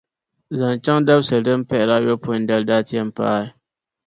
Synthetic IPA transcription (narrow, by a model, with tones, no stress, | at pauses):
za˨n˨t͡ʃa˦ŋda˦bsɨ˨dɨ˦m̩˦pɛ˦ʔɪ˨la˦jo˦pʊ˦˨n˦dɛ˦lda˦ti˦ɛ˦m̩˨pa̰ː˦ɪ˦